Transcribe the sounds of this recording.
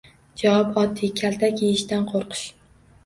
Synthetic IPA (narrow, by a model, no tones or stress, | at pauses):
d͡ʒawɒpɒd̪ːikʲʰalt̪ʰakʲeɪʃt̪anqʰoɾqʰɨ̥ʃ